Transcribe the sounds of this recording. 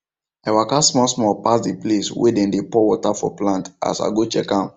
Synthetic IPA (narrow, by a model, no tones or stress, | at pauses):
awakasmɔsmɔpasdipleswḛdɛ̃ndepɔwɔtafɔ̰plãnta̰sa̰ɡot͡ʃɛ̰kã